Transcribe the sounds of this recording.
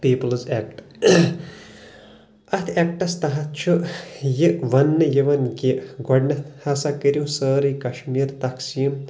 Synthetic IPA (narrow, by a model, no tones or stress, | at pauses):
piːpɐlzeːk̚ʈ | ɐt̪ʰekʈɐst̪ɐɦɐt̪̚t͡ʃʰujiʋɐnːɨjiʋɐnkiɡɔɖnɐt̪hɐsakəɾʲjũsəːɾikɐʃmiːɾt̪ɐksiːm